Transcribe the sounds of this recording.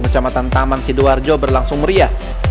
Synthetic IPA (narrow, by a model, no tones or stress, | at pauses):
mərt͡ʃamat̪ant̪amansiduard͡ʒɔbərlaŋsʊŋməɾia